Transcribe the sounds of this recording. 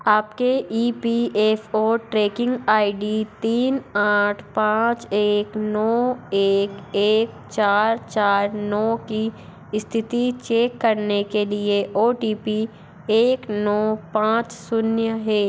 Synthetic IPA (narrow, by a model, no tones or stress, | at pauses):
aːpkeʔiːpieːfoːʈɾeːkɪ̃ŋɡaːiɖit̪iːnaːʈʰpãːt͡ʃeːknɔːeːkeːk̚ | t͡ʃaːɾt͡ʃaːɾnɔːki | st̪ʰɪt̪it͡ʃeːkːɐɾnekelieʔoːʈiːpi | eːknɔːpãːt͡ʃsʊnjəɦɛː